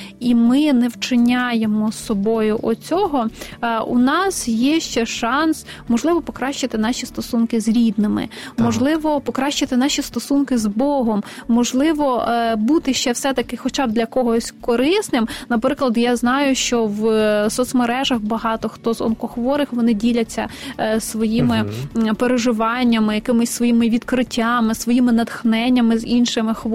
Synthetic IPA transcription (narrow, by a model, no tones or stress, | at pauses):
imɪnɛwt͡ʃɪnʲajemɔsɔbɔjʊʔɔt͡sʲɔɦɔṵnɑsjɛʃt͡ʃɛʃɑnsmɔʒlˠɪʋɔpɔkɾɑʃt͡ʃɪt̪ɪnɑʃʲist̪ɔsunkɪzɾʲid̪nɪmɪ̰mɔʒlˠɪʋɔpɔkɾɑʃt͡ʃɪt̪ɪnɑʃʲist̪ɔsunkɪzbɔɦɔmːɔʒlˠɪʋɔbut̪ɪʃt͡ʃɛwsɛt̪ɐkɪxɔt͡ʃɑbd̪lʲɐkɔɦɔsʲkɔɾɪsnɪmnɐpɾɪklˠɐd̪jaznɑjʊʃt͡ʃɔʋsɔt̪smeɾɛʒɐxbɐɦɑt̪ɔxt̪ɔzɔ̰nkɔxʋɔɾɪxʋɔnɪdʲilʲɐt͡sʲːɐ̰sʋɔjimɪpeɾeʒɪʋɑnʲːɐmɪjɐkɪmʊsʲsʋɔjimɪʋʲid̪kɾɪtʲːɑmɪsʋɔjimɪnɐt̪xnɛnʲːɐmɪzinʃɪmɪx